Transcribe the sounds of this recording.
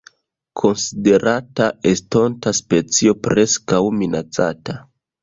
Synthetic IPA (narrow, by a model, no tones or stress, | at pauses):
kʰo̞nside̞ɾatae̞sto̞ntaspe̞t͡sio̞pɾe̞skawminat͡sa̰ta